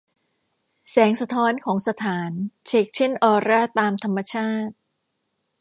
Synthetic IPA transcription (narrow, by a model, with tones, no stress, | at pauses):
sɛː˩˦ŋsa˧t̪ʰɔː˦˥nkʰɔː˩˦ŋsa˧t̪ʰaː˩˦nt͡ɕʰeː˧˩k̚t͡ɕʰe˥˩nʔɔː˧ɾaː˥˩t̪aː˧mt̪ʰa˧mːa˧t͡ɕʰaː˥˩t̪̚